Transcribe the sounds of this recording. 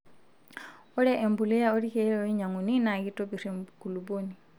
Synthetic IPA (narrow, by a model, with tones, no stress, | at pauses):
ɔ˦ɾɛ˦ʔe˨mbu˨lɛ˦ja˦o˦ɾi˦kɛ˨˦ɾo˦i˦ɲa˨ŋu˨ni˦na˨ki˦to˦bi˨ɾi˨mku˨lu˨bo˦ni˨